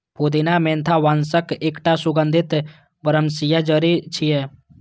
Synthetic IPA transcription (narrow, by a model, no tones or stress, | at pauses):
pʰod̪inamẽnt̪ʰaʋansəkeːkʈasuɡənd̪ʱit̪ | bəɾəmsijad͡ʒəɾit͡ʃʰije